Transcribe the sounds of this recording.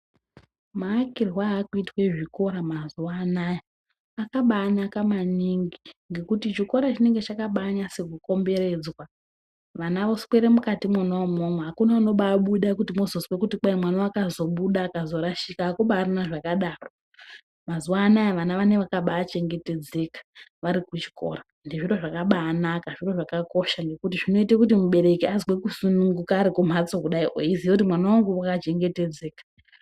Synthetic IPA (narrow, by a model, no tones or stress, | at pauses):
maːkirwaːkuitweʐiko̞ɾamazuwanaja | akaɓaːnakamaniŋɡiŋɡe̞kutit͡ʃiko̞ɾat͡ʃine̞ŋɡe̞t͡ʃakaɓaːɲasekuko̞mbe̞re̞d͡zwa | ʋanaʋo̞skwe̞ɾemukatimanoomomweɦakunauno̞ɓaːɓuɗakutimozoswekutik͡pamwanaakazo̞ɓuɗaːkazo̞ɾaʃikaːkuɓaːrinaʐakaɗaːro̞ | mazuwanaʋanaʋane̞ʋakaɓaːt͡ʃe̞ŋɡe̞te̞d͡ze̞kḁʋaɾikut͡ʃi̥ko̰ra | ndiʐiro̞ʐakaɓaːnakaʐiro̞ʐakako̞ʃaŋɡe̞kutiʐino̞itekutimuɓe̞ɾe̞kiazwekusunuŋɡukaːɾikum̤ʱat͡sokuɗaiʔo̰izijout̬imwanawaŋɡuakat͡ʃe̞ŋɡe̞te̞d͡ze̞ːkḁ